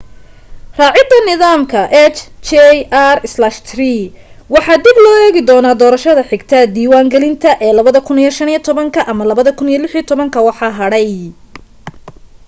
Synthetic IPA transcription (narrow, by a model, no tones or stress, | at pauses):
rɑːʕɪd̪ɐnɪðaːmkʰɐʔɛt͡ʃt͡ʃɛarɪslaʃt̪ʰriwɑħɑːd̪ɪblɔːɛːɣɪd̪ɔːnaːd̪ɔːɾɐʃɐðɐħɪɡt̪ʰɐd̪iːwaːŋɡɛlɪnt̪ʰɐʔɛːlɐβɐðɐkʰʊnijɔʃɐnijt̪ʰɔβɐŋkʰɐʔɐmɐlɐβɐðɐkʰʊnijɔlɪħijt̪ʰɔβɐŋkʰɐwɑħɑːɦɐɽɛj